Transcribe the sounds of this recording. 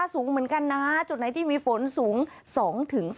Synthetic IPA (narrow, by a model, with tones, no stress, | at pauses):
suː˨˩˦ŋmɯ˨˩˦ənka˧nːa˦˥t͡ɕu˨˩na˨˦jt̪ʰiː˥˩miː˧fo˩˦nsuː˩˦ŋ | sɔː˩˦ŋt̪ʰɯ˩˦ŋ